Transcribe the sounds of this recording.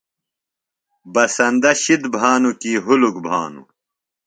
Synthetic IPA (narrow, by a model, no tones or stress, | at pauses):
bɐsɐnd̪ɐɕid̪bʱaːnukiːɦulukbʱaːnṵ